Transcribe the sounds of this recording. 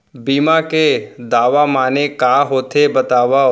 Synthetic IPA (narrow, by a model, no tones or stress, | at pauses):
biːmaked̪aːʋamaːnekaːɦoːt̪ʰebɐt̪aːʋa